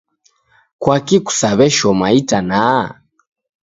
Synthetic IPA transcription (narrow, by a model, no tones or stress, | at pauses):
kwakiku̥saβɛʃɔmaitana